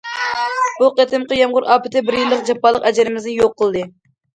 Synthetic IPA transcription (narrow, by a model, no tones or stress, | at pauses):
b̥uqet̪ʰɪmqəjɑmʁʊɾɑːpɪt̪ʰɪbɪɾjilˠːəqd͡ʒɑpːɑlˠːəqɛd͡ʒɪɾɪmɪznɪjoqːəlˠd̪ɨ